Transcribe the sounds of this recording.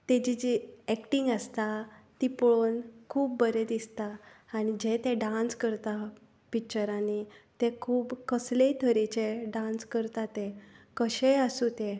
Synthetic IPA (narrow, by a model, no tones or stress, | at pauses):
t̪ed͡ʑid͡ʑiɛkʈiŋɡəst̪at̪ipoɭonkʰuːb̚bəɾed̪ist̪aːñid͡ʑet̪ẽɖãnskəɾt̪a | pikt͡ɕəɾanit̪ekʰuːbkəslet̪ʰəɾet͡ɕeɖãnskəɾt̪at̪ekəɕejəsut̪ẽ